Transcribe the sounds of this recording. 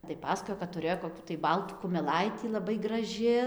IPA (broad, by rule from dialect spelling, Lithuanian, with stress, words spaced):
tɐɪ ˈpɑːsɐkoːjoː kɐt tʊ rʲeːjoː koːˈkʲuː tɐɪ ˈbɐlˠtuː kʊmʲɛˈlˠɐɪtʲiː lˠɐˈbɐɪ ɡrɐˈʒʲɪ